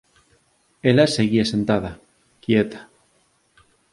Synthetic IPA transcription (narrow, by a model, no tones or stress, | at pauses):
elaseɣiase̞nt̪að̞a | kjet̪ḁ